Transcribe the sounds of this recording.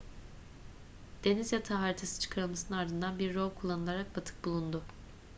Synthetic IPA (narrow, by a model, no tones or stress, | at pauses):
d̪̥e̞nizjat̪ʰaɦaːɾit̪ʰasɯ̥t͡ʃʰɯ̥kʰaɾɯlˠmasɯnɯnaɾd̪ɯnd̪anbiɾːolˠkʰulˠːanɯlˠaɾak̚bat̪ʰɯ̥k̚bulˠund̪ʊ